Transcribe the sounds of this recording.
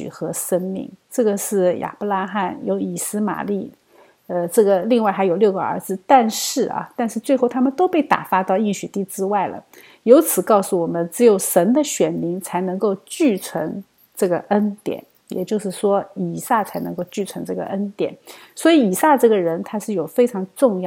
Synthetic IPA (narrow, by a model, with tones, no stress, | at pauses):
y̰˨˩xɤ˧˥ʂə˥nmḭ˥˩ŋʈ͡ʂɤ˥˩ɡə˩ʂɻ̩˥˩ja̰˨˩pɔ˧la˥xa˥˩njo˧˥ʊi˨˩sɹ̩˥ma̰˨˩li˥˩ | ə˧ʈ͡ʂɤ˥˩ɡə˩li˥˧ŋwa˥˩ɪxa˧˥ɪjo˨˩ʊljo˥˩ʊɡə˩ə̰˧˥d͡zɹ̩˧˦t̪a˥˧nʂɻ̩˥˩ɐ̰˩t̪a˥˧nʂɻ̩˥˧t͡swe˥˧ɪxo˥˩ʊt̪ʰa˥mə˨nt̪o˥ʊpe˥˩ɪt̪a̰˨˩fa˥t̪ɑ˥˧ʊi˥˩ŋɕy˨˩t̪i˥˩ʈ͡ʂɻ̩˥wa˥˩ɪlə̰˩ | jo˧˥ʊt͡sʰɹ̩˨˩kɑ˥˧ʊsu˥˩wɔ˨˩mə˦nʈ͡ʂɻ̩˧˥jo˧˩ʊʂə˧˥nd̪ə˧ɕɥɛ˨˩nmi˧˥ŋt͡sʰa˧˥ɪnɤ˧˥ŋko˥˧ʊt͡ɕy˥˩t͡sʰwə̰˧˥n | ʈ͡ʂɤ˥˩ɡə˩ə˥nt̪jɛ̰˨˩˦n | jɛ̰˨˩t͡ɕjo˥˧ʊʂɻ̩˥˩ʂwɔ˥i˨˩sa˥˩t͡sʰa˧˥ɪnɤ˧˥ŋko˥˧ʊt͡ɕy˥˩t͡sʰwə˧˥nʈ͡ʂɤ˥˩ɡə̰˩ʔə˥nt̪jɛ̰˨˩˦nswɔ˧˥i˧˥i˨˩sa˥˧ʈ͡ʂɤ˥˩ɡə˩ɻə˧˥nt̪ʰa˥ʂɻ̩˥˩jo˨˩ʊfe˥ɪʈ͡ʂʰɑ˧˥ŋʈ͡ʂʊ˥˧ŋjɑ˥˩